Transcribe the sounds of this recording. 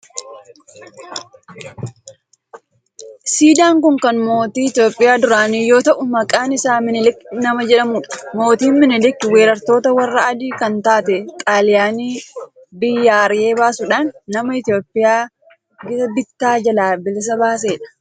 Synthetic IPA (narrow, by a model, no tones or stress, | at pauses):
siːd̪aːŋkʊŋkɐnmo̞ːt̪iːɪt̪jo̞ːpʼːɪjaːd̪ʊɾaːniːjo̞ːt̪ɐʔʊmɐkʼaːnɪsaːmɪnɪlɪkːnɐmɐd͡ʒɛᶑɐmʊᶑɐ̥mo̞ːt̪iːnmɪnɪlɪkːɪwe̞ːɾɐɾt̪o̞ːt̪ɐwɐrːɐʔɐd̪iːkɐnt̪aːt̪ɛkʼaːlɪjaːniː | bɪjːaːɾɪje̞ːbaːsʊᶑaːnːɐmɐɪt̪jo̞ːpʼːɪjaː | ɡɪɐbɪt̪ːaːd͡ʒɐlaːbɪlɪs̬ɐbaːs̬eːᶑɐ̥